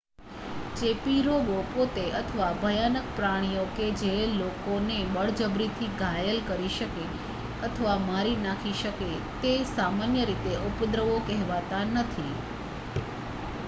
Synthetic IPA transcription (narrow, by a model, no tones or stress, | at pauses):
t͡ʃepiɾoʋopot̪eʔət̪ʰəʋabʱəjanək̚pɾaɽ̃ijoked͡ʒelokonebəɭd͡ʒəbɾit̪ʰiɡʱajəlkəɾiʃəke | ət̪ʰəʋamaɾinakʰiʃəke | t̪esamanjəɾit̪eupəd̪ɾəʋokɛɦʋat̪anət̪ʰi